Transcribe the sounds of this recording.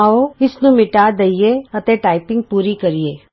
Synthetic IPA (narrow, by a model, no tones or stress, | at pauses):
oɪsnũmɪʈaːd̪ɐijeɐt̪eʈaːɪpɪ̃ŋɡ̚puːɾikɐɾieː